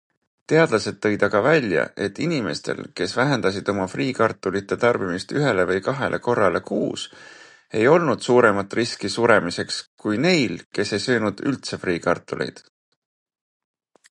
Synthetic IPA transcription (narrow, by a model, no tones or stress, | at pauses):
t̪e̞ɑd̪̥lɑse̞d̪̥̚ːɤ̞jd̪̥ɑɡ̥ɑvælʲjɑ̰ʔe̞t̪ːinime̞̰st̪e̞̰lke̞svæɦend̪̥ɑsid̪̥o̞mɑfriːkɑrt̪ːˑulit̪ːˑe̞t̪ɑrb̥imist̪yɦe̞le̞vɤjkɑɦe̞̰lʔe̞ko̞rːɑle̞kuːs | e̞jo̞lnud̪̥suːɾe̞mɑt̪ːˑriskisuɾemise̞kskkujne̞jlke̞se̞jsø̞ːnud̪̥ylt̪se̞friːkɑrt̪ːˑulʔḛjd̪̥